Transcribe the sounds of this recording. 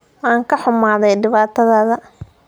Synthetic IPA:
wɑːŋkʰɐħʊmaːðɛjɖɪβaːt̪ʰɐðɐðɐ

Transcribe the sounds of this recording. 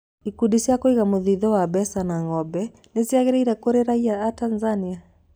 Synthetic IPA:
ikudisjakoiɣamoðiðɔwabɛsanaŋɔbɛ | nesiaɣeɾeiɾɛkoɾeɾaiaatanzania

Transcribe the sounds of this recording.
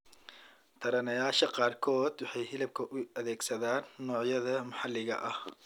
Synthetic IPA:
t̪ʰɐɾɐnɐjaːʃɐqɑːrkʰɔːd̪wɑħɑjhɪlɐb̚kʰɐʔʊɐðɛːɡsɐðaːnːɔːʕjɐðɐmɐħɑlːɪɣɐ̰ʔɐh

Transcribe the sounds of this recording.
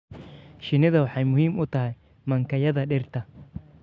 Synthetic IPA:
ʃɪnɪðɐwɑħɑjmʊhiːmʊt̪ʰɐɦɛj | mɐŋkʰɐjɐðɐɖɪrt̪ʰɐ

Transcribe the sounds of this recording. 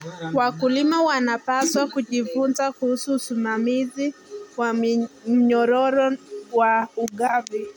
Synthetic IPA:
wakulimawanapaswakuʄivunzakuhusuːsimamiziwam̩ɲɔɾɔɾɔwauɠavi

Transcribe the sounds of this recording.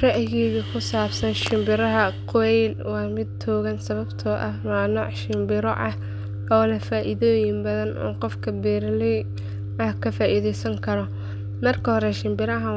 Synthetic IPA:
rɐʔjɣiɣɐkʰʊsaːbsɐnʃɪmbɪɾɐɦɐqʰʊwɛjlwɑːmɪd̪t̪ʰɔːɣɐnsɐβɐbt̪ʰɔːʔɐhmɐnuːʕʃɪmbɪɾɔ̰ʔɐh | ɐwlɐfaːʔiðoːjɪmbɐðɐnʔṵːnqɔfkʰɐbɛːɾlɪ | ɐhkʰɐfaːʔiðɛjsɐŋkʰɐɾɔ | mɐrkʰɐhɔɾɛʃɪmbɪɾɐɦɐ

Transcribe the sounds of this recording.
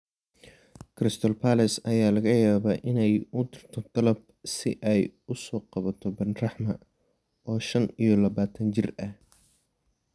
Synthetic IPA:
kʰrɪst̪ʰɔlpʰalɐsɐjaːlɐɣɐjaːβaːʔɪnɛjʊd̪ɪrt̪ʰɔd̪̥ɐlɐb̚ | sɪ̰ʔɛjʊsɔːqɑβɐt̪ʰɔbɐnrɑħmɐ | ʔɔːʃɐnijɔlɐβaːt̪ʰɐnt͡ʃɪrɐh

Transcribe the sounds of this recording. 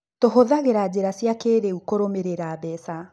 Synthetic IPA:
toɦoðaɣeɾad͡ʑeɾasjakeːɾeukoɾomeɾeɾaːbɛsa

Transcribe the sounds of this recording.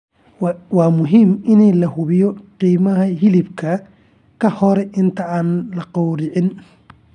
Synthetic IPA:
wɑːmʊɦiːmɪnɛjlɐɦʊβɪjɔqiːmɐɦɐhɪlɪbkʰɐ | kʰɐhɔɾɛʔɪnt̪ʰɐaːnlɐqɑwɾɪʕɪn

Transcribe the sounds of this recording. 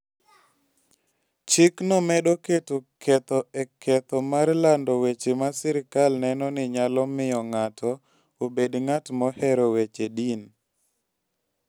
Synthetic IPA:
t͡ʃɪknɔmɛɗoketokʰɛt̪ɔɛkʰɛt̪ɔmaɾlandɔwet͡ʃemasɛɾɪkalnɛnɔnɪɲalɔmɪjɔŋatʰɔ | obedŋatmɔhɛɾɔwet͡ʃedin

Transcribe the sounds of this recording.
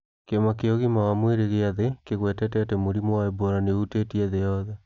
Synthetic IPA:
keomakeoɣimawamweɾeɣeaðekeɣwɛtɛtɛtɛmoɾimowaeboɾaneutetiɛðejɔðɛ

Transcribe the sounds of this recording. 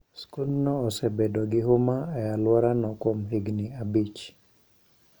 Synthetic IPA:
skulnɔːsɛbedɔɡɪɦomaajalwɔɾanɔkomɦiɡnɪabit͡ʃ

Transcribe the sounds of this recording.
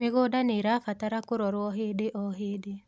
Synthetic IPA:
eɣoːdaneɾafataɾakoɾɔɾwɔɦeːdeʔɔɦeːde

